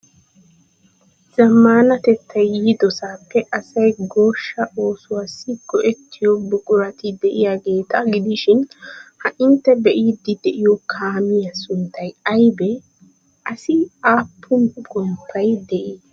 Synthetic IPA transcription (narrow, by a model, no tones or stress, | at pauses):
z̥ɐmːaːnɐt̪ɛt̪ʰːɐjːiːd̪ɔsaːpːɛʔɐsɐjɡoːʃːɐʔo̞ːsʊwasːɪɡ̥ɔʔɛt̪ʰːɪjɔbʊkʼʊɾɐt̪ɪd̪ɛʔɪjaɡe̞ːt̪ʰaɡɪd̪ɪʃɪnhɐʔɪnt̪ːɛbɛʔiːd̪ːɪd̪ɛʔɪjɔkʰaːmɪjɐsʊnt̪ːɐjɐjbɛ | ʔɐsɪaːpʰːʊnɡɔmpʰːɐjd̪ɛʔiː